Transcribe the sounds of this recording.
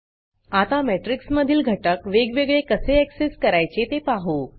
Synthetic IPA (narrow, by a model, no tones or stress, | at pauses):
at̪ameʈɾiksməd̪ʱiːlɡʱəʈəkʋeɡʋeɡɭekəseɛkseskəɾajt͡set̪epaɦo